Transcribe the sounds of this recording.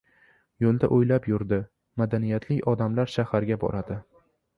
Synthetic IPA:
jolˠd̪aʔojlapjʊɾd̪ɪ | mad̪anijat̪ʰlɪkʲɒd̪amlaɾʃahaɾɡʲabɒ̰ɾad̪ɪ

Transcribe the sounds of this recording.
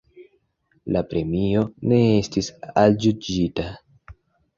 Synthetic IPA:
lapɾe̞mio̞ne̞estisald͡ʒud͡ʒita

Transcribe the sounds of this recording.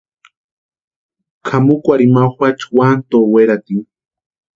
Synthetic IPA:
kʰamukʷaɾimaxʷat͡ʃwant̪oweɾat̪iŋ

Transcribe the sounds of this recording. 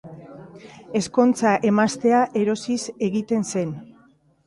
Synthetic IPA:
e̞sko̞nt͡saʔe̞mast̪e̞aʔe̞ɾo̞sise̞ɣit̪e̞nse̞n

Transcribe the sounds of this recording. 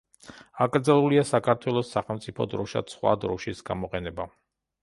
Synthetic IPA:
akʼɾd̪zalˠuliasakʰaɾt̪ʰwɛlˠɔsːaχɛlˠmt̪sʼipʰɔd̪ɾɔʃa̰sχwa̰d̪ɾɔʃisɡamɔqʼɛnɛba

